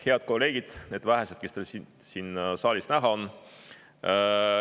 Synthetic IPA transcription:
he̞ɑd̪̥̚ko̞lːe̞ːɡ̥id̪̥ne̞ːd̪væɦesed̪̥̚ke̞st̪elsi | siːnsɑːlʲisnæɦɑonː

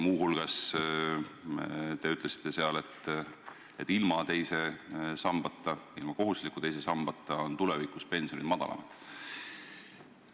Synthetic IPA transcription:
muːɦulɡ̥ɑs | t̪e̞yt̪ˑle̞si̥t̪ˑːe̞se̞ɑle̞t̪ː | et̪ːˑilmɑt̪e̞jse̞sɑmb̥ɑt̪ˑːɑilmɑko̞ɦuslikːˑut̪ejs̬e̞sɑmb̥ɑt̪ːˑɑont̪ulevikˑuspe̞nsionid̪mɑd̪̥ɑ̰lɑ̰mɑd̪̥

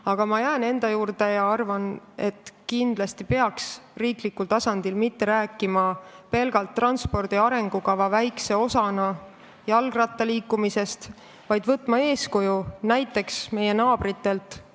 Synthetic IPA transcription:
ɑɡ̥ɑmɑjæene̞nd̪̥ɑjuːrd̪e̞jɑɑrvɑne̞t̪ːˑkind̪̥lɑst̪ipe̞ɑksriːklikːult̪ɑsɑnd̪̥ilmit̪ːe̞ɾæːkːˑimɑpe̞lɡ̥ɑlt̪ːrɑnspo̞rd̪̥iɑɾe̞ŋɡ̥ukɑvɑvæjkse̞o̞sɑnɑ | jɑlɡ̥rɑt̪ːɑliːkːˑumise̞st̪ | vɑjd̪vɤt̪ːˑmɑe̞ːskujunæjt̪ːˑe̞ksme̞je̞nɑːb̥rit̪ːe̞lt̪ˑ

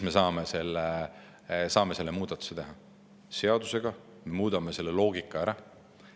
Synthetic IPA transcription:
me̞sɑːmese̞lːe | sɑːme̞se̞lːemuːd̪̥ɑt̪ːˑu̥se̞t̪e̞ɦɑ | se̞ɑd̪̥useɡɑ | me̞muːd̪̥ɑmese̞lːe̞lo̞ːɡikːˑɑæɾɑ

